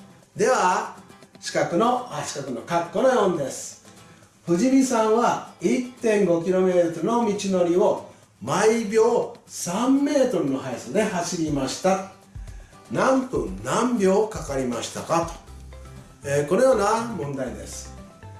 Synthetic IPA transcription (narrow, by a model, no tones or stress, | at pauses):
d̪e̞βa | ɕi̥kakɯ̟no̞t͡ɕi̥kakɯ̟nokakːo̞nojõ̞nd̪e̞sɨ̥ | ɸɯ̟ʑimʲisãɰ̃βait̪ːẽ̞ŋɡo̞k̬ʲiɾo̞me̞ːt̪t̪oɾɯ̟no̞mʲit͡ɕino̞ɾʲio̞ | maibʲjo̞ːsãmːe̞ːt̪o̞ɾɯ̟no̞ɦaisɨd̪e̞haɕiɾʲimaɕi̥t̪at̪ | nãmpɯ̰̃nnãmbʲo̞ːkakaɾʲimaɕi̥t̪akat̪o̥ | ekono̞joːnamõ̞nd̪aid̪e̞̰sɨ̥